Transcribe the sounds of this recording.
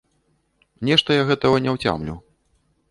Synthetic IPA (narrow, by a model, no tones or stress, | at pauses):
nʲɛʂt̪ɐjaɣɛt̪ɐɣɐnʲɛwt͡sʲa̰mlʲṵ